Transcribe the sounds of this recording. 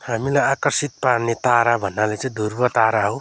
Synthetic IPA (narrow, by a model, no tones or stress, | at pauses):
hamilajakʌrsit̪̚parnet̪aɾabʱʌnːalet͡sʌĩd̪ʱurbʌt̪aɾaɦow